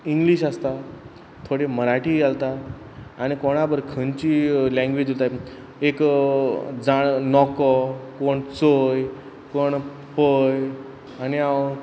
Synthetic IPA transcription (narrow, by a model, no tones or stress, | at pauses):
iŋɡliɕast̪a | t̪ʰoɽeməɾaʈijalt̪aː | ñikoɽ̃abəɾkʰənt͡ɕilɛ̃ŋɡʋed͡ʑot̪a | ek | d͡zaɽnɔkɔkoɳt͡soj | koɳ | pəj | ania